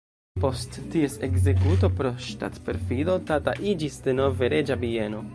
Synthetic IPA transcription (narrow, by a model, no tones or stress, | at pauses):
po̞stːie̞seɡze̞kut̬o̞pɾo̞ʃta̰tpe̞ɾfido̞tata̰ʔid͡ʒisdeno̞veɾe̞d͡ʒabie̞no̞